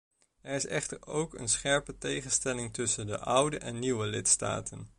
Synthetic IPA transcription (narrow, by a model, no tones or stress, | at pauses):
ɛɹɪsɛχtəɹowkə̰nsχɛɹpətejχənstɛlɪŋtɵsəndəʔʌwdəʔɛnːiwəlɪtsta̰ːtən